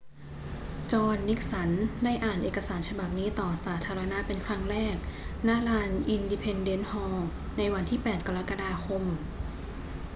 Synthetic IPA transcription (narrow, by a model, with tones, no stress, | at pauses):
t͡ɕɔː˧nːi˦˥k̚sa˩˦nda˥˩jʔaː˨˩nʔeː˨˩ka˧saː˩˦nt͡ɕʰa˧ba˨˩p̚niː˦˥t̪ɔː˨˩saː˩˦t̪ʰaː˧ɾa˧na˦˥pe˧nkʰɾa˦˥ŋɾɛː˥˩k̚na˦˥laː˧nʔi˧ndiː˧pʰe˧nde˦˥nhɔː˧ | na˧jwa˧nt̪ʰiː˥˩pɛː˨˩t̪̚ka˧ɾa˦˥ka˧daː˧xʰo˧m